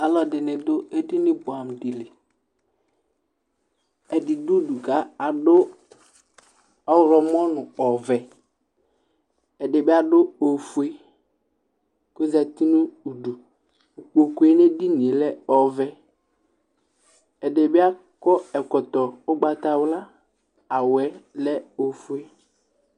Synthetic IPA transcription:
a˨lɔ˨dɪ˨nɪ˨dʊ˦e˦di˦nɪ˦bʊ˨a˨m˨di˨lɪ˨ | ɛ˨dɪ˨du˦u˦du˨ka˦a˨dʊ˦ | ɔ˦wɾɔ˨mɔ˦nʊ˨ɔ˨vɛ˨ | ɛ˨dɪ˨bɪ˦a˦dʊ˦o˨fu˨˦e˦ | ko˦zɛ˨t̪i˦nʊ̃˦u˨ɖu˨ | u˨k͡po˨ku˦e˦ne˦di˦nĩ˨e˨lɛ˦ɔ˨vɛ˨ | ɛ˨de˨bɪ˦a˦ | kɔ˦ɛ˨kɔ˨t̪ɔ˨ʊ˦ɡ͡ba˨t̪a˨wla˦ | a˨wɛ˨˦lɛ˦o˨fu˦e˦

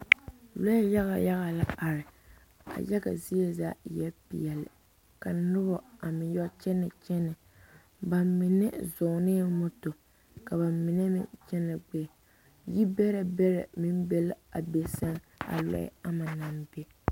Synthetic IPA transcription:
lɔ˦ja˦ɣa˨ja˦ɣa˨la˦a˨ɾɪ˨ | a̰˨jɛ˦ka̰˨zi˦ɛ˨za˦jɛ˦lpḭ˨ɛ˨lɪ̰˨ | ka˨nʊ˦bɔ˨a˨mɪ˨n˦jɔ˦t͡ʃɛ˦nɨ˨t͡ʃɛ˦nɨ˨ | ba˨mmɪ˨nɛ˦zʊ˨nɪ˦mʊ˦to˨ | ka˨βa˨mɪ˨nɛ˦mɪ̰˦t͡ʃɛ˦nɨ˨ɡ͡bɛ˦˨ | ji˦bɛ˦ɾa˨bɛ˦ɾɛ̰˨mɪ˦n˦bɛ˦la̰˨be˨sa˦n | a̰˨lɔ̰˦a˦ma˨na˨m˦be˦

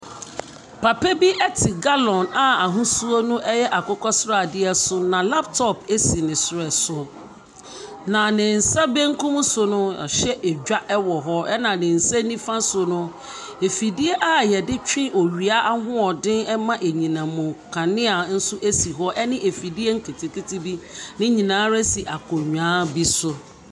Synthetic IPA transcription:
pʰa˨pe˦bi˦ʔɛ˦tʰɪ˨ɡa˦lɔ̃˨na˨a˨ɦũ˦su˦o˦nʊ̃˦ʔɛ˦jɛ˦ʔa˨kʊ˦kʰɔ˦sɾa˦˨dɪ˦ɛ˦sʊ˦nã˨la˦ptʰɔ˦pʰe˦si˨nɪ̃˨sʊ˨ɾɛ˨sʊ˨ | nã˨nɪ̃˨n̩˨sa˦bɛ̃˦ŋ̩˦kʰũ˦m˦sʊ˨nʊ̃˦a̰˨ɕɛ˦ʔe˨d͡ʑᶣa˦ʔɛ˦wɔ˨ɦɔ˦ɛ˦nã˨nɪ̃˨n̩˨sɛ˦nĩ˦fã˦sʊ˨nʊ̃˦ | e˨fi˨di˦e˦ʔa˦jɛ˨dɪ˦t͡ɕᶣɪ̃˦ʔo˨ɥi˨a˦ʔa˦hʊ̃˦ɔ˨dɪ̃˦nɛ˦mã˦ʔe˨ɲĩ˨nã˨mʊ̃˨kʰã˨nɪ̃˦a˨n̩˦sʊ˦ʔe˦si˨ɦɔ˦ʔɛ˦nɪ̃˦ʔe˨fi˨di˦e˦ŋ̩˦kʰe˨tʰɪ˨kɪ˦ti˦bi˦nɪ̃˦ɲĩ˨nãː˨˦ɾɛ˦si˨ʔa˨kʰɔ˨ɲᶣãː˦bi˦sʊ˦

